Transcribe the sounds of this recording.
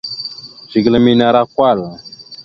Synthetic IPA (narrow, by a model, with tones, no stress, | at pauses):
ʒ̥i˨ɡlə˨mi˦na˨ɾa˦kwa˦˨l